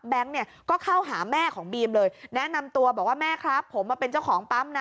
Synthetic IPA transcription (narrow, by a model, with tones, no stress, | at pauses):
bɛ˦˥ŋni˥˩ɐkɔː˥˩kʰa˥˩wɦaː˩˦mɛː˥˩kʰɔː˩˦ŋbiː˧mlɤː˧jnɛ˦˥na˧mt̪u˧ɐbɔː˨˩k̚waː˥˩mɛː˥˩kʰɾa˦˥pʰːo˩˦mwaː˧pe˧nt͡ɕa˥˩wkʰɔː˩˦ŋpa˦˥mna˧